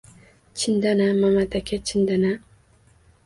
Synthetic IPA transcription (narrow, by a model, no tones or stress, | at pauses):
t͡ʃʰind̪anamamat̪akʲʰet͡ʃʰind̪ana